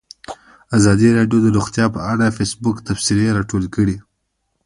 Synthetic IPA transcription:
azɑd̪iɾɑɖjod̪əɾuxt̪jɑpəaɽafesbʊkt̪afsileɾɑʈolkəɽi

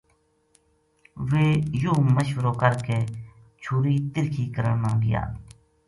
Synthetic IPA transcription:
ʋeːjuːməʃʋəɾoːkəɾkeː | t͡ʃʰuːɾiːt̪ɪɾkʰiːkəɾə̰ɳnãːɡɪ̰ja̰ː

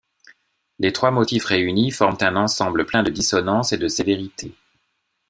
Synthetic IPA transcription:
let̪χwamɔt̪ifʁeynifɔʁmt̪ɛ̃nɑ̃sɑ̃bləplɛ̃d̪əd̪isɔnɑ̃sed̪əseveʁit̪ʰe

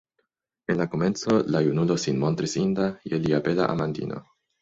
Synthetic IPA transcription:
enlakoment͡solajunulosinmont̪ɾisind̪ajeliapela̰ʔa̰mand̪ḭnʔo̰

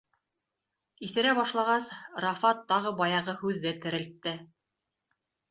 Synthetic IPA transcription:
iθɘ̆ɾæbɑʃlˠɑʁɑsrɑfɑt̪ːɑʁɤbɑjɑʁɤhʉðːɘt̪ɘ̆ɾɘ̆lt̪ːɘ

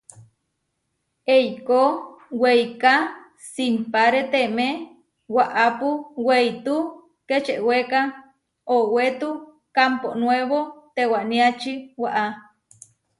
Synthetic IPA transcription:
ejkowejka | simpaɾet̪eme | waʔapuwejt̪u | ket͡ʃeʔweka | owet̪u | kamponweβot̪ewaʔniat͡ʃiwaʔa

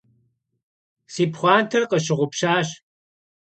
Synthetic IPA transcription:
siːpχʷɑːntʰɐrqɐɕ̬ɪʁʷʊpɕaːɕ

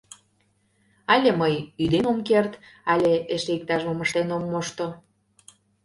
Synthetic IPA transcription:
ɑlʲeməjyd̪emomkert̪ɑlʲeeʃeik̚t̪ɑʃoməʃt̪enomːoʃt̪o

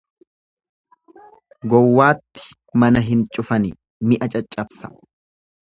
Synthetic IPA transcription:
ɡɔwːaːt̪ːɪ̥ | mɐnɐɦɪnt͡ʃʼʊfɐnɪ | mɪʔɐt͡ʃʼɐt͡ʃʼːɐbsɐ̥

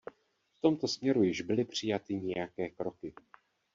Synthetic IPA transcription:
ft̪o̞mt̪o̞smɲɛɾujɪʒbɪlɪpr̝̥ɪjat̪ɪɲɛjakɛːkɾo̞kɪ

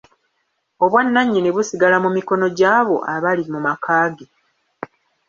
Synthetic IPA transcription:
o̞βwanːaɲːineβusiɡalamumiko̞no̞ɟaːβo̞̰ʔaβalimumakʰaːɡe

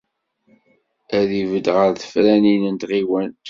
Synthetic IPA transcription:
æðivəd̪ʁəɾθə̥fɾæninənt̪ʁiwæn

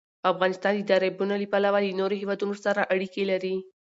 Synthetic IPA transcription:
afɣɑnɪst̪ɑnd̪əɪd̪ɑɾebunalipalawalənoɾoɦewɑd̪unosaɾaʔaɽikelaɾi

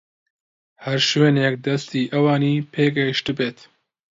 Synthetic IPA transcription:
hɐɾʃweːnek̚d̪ɐst̪iːʔɐwɑːniːpʰeːɡɐjɪʃt̪ɨbeːt̪

